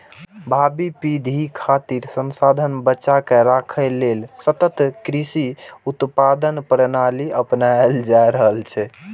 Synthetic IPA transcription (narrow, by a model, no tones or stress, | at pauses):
bʱabipid̪ʱikʰat̪iɾsənsad̪ʱənbətːʃakeɾakʰəlelsət̪ət̪kɾisiut̪pad̪ənpɾənaliəpnaeld͡ʒaɾəɦəlt͡ʃʰɛ